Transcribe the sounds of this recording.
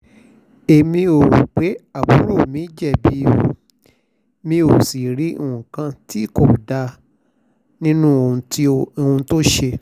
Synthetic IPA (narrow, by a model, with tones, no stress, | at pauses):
e˨mĩ˧o˨ɾṵ˨k͡pe˨˦a˦˨bu˨˦ɾo˦˨mĩ˨˦d͡ʒɛ˦˨bi˨˦o˧˨ | mĩ˧o˨si˨ɾĩ˨˦˨ũ˨kã˧ti˦i˦˨ko˦˨da˧ | nĩ˦nũ˦o˨ũ˧˦o˨hũ˧to˦ʃe˧